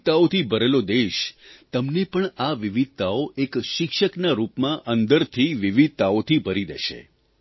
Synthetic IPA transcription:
t̪aot̪ʰibʱəɾelod̪eʃt̪əmnepəɳaʋiʋid̪̚t̪aoʔekʃɪkʃəknaɾupmãʔənd̪əɾt̪ʰiʋiʋid̪̚t̪aot̪ʰibʱəɾid̪ḛʃḛ

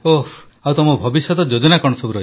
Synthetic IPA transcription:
o | awt̪ɔmɔbʱɔbisjɔt̪ɔd͡ʒod͡ʒɔnakɔɾɳ̃ɔsɔbuɾɔɦi

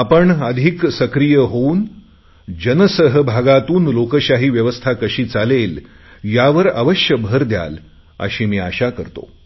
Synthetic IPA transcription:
apəɳəd̪ʱiksəkɾijəɦouːn | d͡ʑənəsəɦəbʱaɡat̪uːnlokəɕaɦiːʋjəʋəst̪ʰakəɕiːt͡salel | jaʋəɾa̰ʋəɕjəbʱəɾd̪ja̰l | ə̰ɕiːmiːaɕakəɾt̪o̰

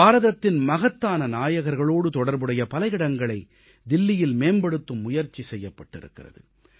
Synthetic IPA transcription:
aːɾɐðɐt̪ːɪnmɐɣɐt̪ːaːnɐnaːjɐɣɐɾɣɐɭoːɽɯt̪ɔɽɐɾbɯɽɐjɐpɐlɐjɪɽɐŋɡɐɭɐɪ | d̪ɪlːɪjɪlmeːmbɐɽɯt̪ːɯmːʊjɐɾt͡ʃːisɛjːɐpːɐʈːɪ̰ɾɯ̰kːɪrɐ̰ðɯ̰

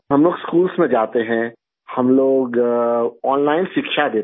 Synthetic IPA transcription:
ɦɐmloːɡskuːlsmẽd͡ʒaːt̪eɦɛ̃ | hɐmloːɡ | ɔːnlaːɪnʃɪkʃad̪eː

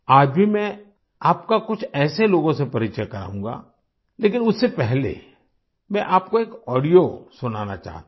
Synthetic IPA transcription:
aːd͡ʒbʱimɛ̃ | aːp̚kakʊt͡ʃʰɛːseloːɡõsepɐɾɪt͡ʃəjakɐɾa̰ːɦũːŋɡa̰ː | leːk̬ɪnʊsːepɛɦlḛ | mɛ̃ʔaːp̚koeːkɔːɽijosʊnaːna̰t͡ʃa̰ːɦt̪

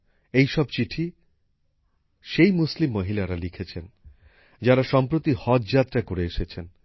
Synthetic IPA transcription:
ejʃɔb̚t͡ɕiʈʰi | ʃejmuslimːoɦilaɾalikʰet͡ɕʰen | d͡ʑaɾaʃɔmpɾot̪ihɔt̪d͡ʑat̪ːɾakoɾeeʃet͡ɕʰen

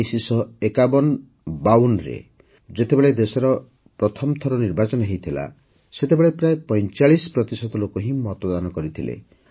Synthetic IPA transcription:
sisɔekabɔn | bawunɾḛ | d͡ʒet̪ebeɭed̪esɔɾɔ | pɾɔt̪ʰɔmt̪ʰɔɾɔniɾbat͡ʃɔnɔɦejt̪ʰila̰ | set̪ebeɭepɾaepɔj̃t͡ʃaɭispɾɔt̪isɔt̪ɔlokoɦĩmɔt̪ɔd̪anɔkɔɾit̪ʰilḛ

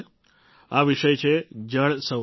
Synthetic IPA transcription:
aʋiʃəjt͡ʃʰed͡ʒəɭsə

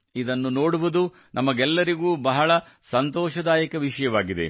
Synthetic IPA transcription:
id̪ɐnːuno̞ːɽuʋud̪u | nʔɐmɐɡɛlːɐɾiɡuːbɐɦɐɭɐ | sɐnt̪ɔːʃɐd̪aːjɐkɐʋiʂɐjɐʋaːɡid̪e̞̰

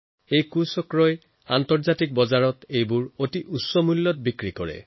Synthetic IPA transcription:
ejkusɔkɹɔj | antɔɹzatik̚bɔzaɹɔtejbuɹotiʔusɔmulːɔt̚bikɹikɔɹɛ̰

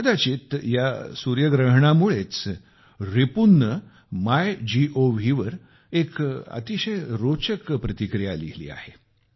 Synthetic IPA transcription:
ad̪at͡ɕit̪jasuɾjəɡɾəɦɳamuɭet͡s | ɾepunːə | majd͡ʑiʔoʋiʋəɾ | ekə̰t̪iɕəjɾot͡ɕəkpɾət̪ikɾijaliɦlḭːa̰he

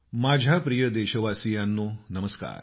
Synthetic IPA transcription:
maːd͡ʑʱjapɾijəd̪eɕəʋasijanːonəməska̰ːɾ

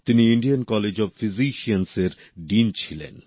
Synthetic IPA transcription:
t̪iniiɳɖijankɔled͡ʑɔbfiziʃianseɾ | ɖint͡ɕʰilḛn

